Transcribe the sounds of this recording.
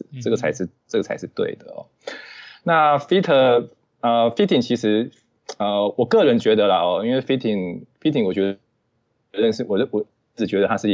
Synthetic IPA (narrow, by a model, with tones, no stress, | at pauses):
ʈ͡ʂɤ˥˩ɡə˩t͡sʰa˧˥ɪʂɻ̩˥˧ʈ͡ʂɤ˥˩ɡə˩t͡sʰa˧˥ɪʂɻ̩˥˧t̪we˥˩ɪd̪ə˩ɔ̰˦˩ | na˥˩fi˥t̪ʰə˥˧ | ə˧fi˥t̪ʰi˨˩ŋt͡ɕʰi˧˥ʂɻ̩˧˥ | ə˥˧wɔ˨˩kɤ˥˩ɻə˧˥nt͡ɕɥɛ˧˥d̪ə˧lə˨ɔ˧˩i˥nwe˥˩ɪfi˥t̪ʰi˧˩ŋfi˥t̪ʰi˧˥ŋwɔ˨˩t͡ɕjɔ˧˥ | ɻə˥˧nʂ̩˥˩wɔ˨˩˧wɔ˨˩˥ʈ͡ʂɻ̩˨˩t͡ɕɥɛ˧˥d̪ə˧t̪ʰa˥ʂɻ̩˥˧˥